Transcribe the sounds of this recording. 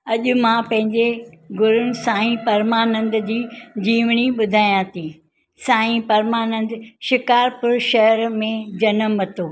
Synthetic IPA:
ɐʄʊ̆mãpɐ̃ɦɪ̃ɲd͡ʑeɡʊɾʊnɪ̆sãːĩpɐɾmaːnə̃nd̪d͡ʑiːd͡ʑiːʋɽ̃iɓʊd̪ʱaːijãt̪ʰiː | sãːĩpɐɾmaːnə̃nd̪ʃɪkaːɾpʊɾʃɐɦəɾmẽd͡ʑɐnəmːɐt̪oː

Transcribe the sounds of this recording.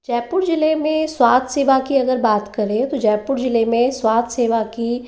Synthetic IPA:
d͡ʒɛːpʊɾd͡ʒɪlemẽswaːd̪seːʋakiɐɡəɾbaːt̪kɐɾẽt̪od͡ʒɛːpʊɾd͡ʒɪlemẽswaːd̪seːʋaki

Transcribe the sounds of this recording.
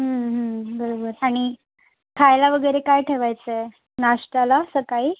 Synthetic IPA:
ɦəmɦəbəɾobəɾaɽ̃i | kʰajlaʋəɡəjɾekajʈʰeʋajt͡sə | naʂʈalasəkai

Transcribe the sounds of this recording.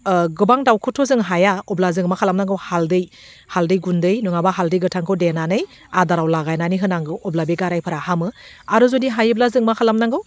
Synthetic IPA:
ɡɯbaŋdawkʰɯtʰozɯŋɦajaɔblazɯŋmakʰalamnaŋɡɯwhaldɯj | haldɯjɡundɯjnuŋabaɦaldɯjɡɯtʰaŋkʰɯwdenanɯj | adaɾawlaɡajnaniɦɯnaŋɡɯwɔblabeɡaɾajpʰɯɾahamɯ | aɾuzodiɦajɯblazɯŋmakʰalamnaŋɡɯw

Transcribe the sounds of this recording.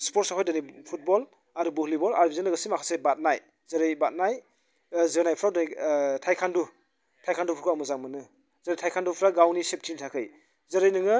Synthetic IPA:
spɔɾtsaɦʰɔjdɯnipʰut̚bɔl | aɾubuhlibɔla̰ɾbizɯnlaɡasimakʰasebat̚naj | zɐɾɯjbat̚naj | zɯnajpʰɾawdnitʰajkʰandu | tʰajkʰandupʰuɾkʰuamuzaŋmɯnɯ | zɯɾejtʰajkʰandupʰɾaɡawnisep̚tʰintʰakʰɯj | zɯɾɯjnɯŋɯ

